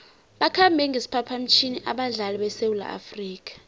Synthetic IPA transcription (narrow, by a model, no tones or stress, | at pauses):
ɓakʰambʱɛŋɡʱesi̥pʰapʰam̩t͡ʃʰiniʔaɓaɮaliɓɛsewula̰ʔa̰friːk̬ʼḁ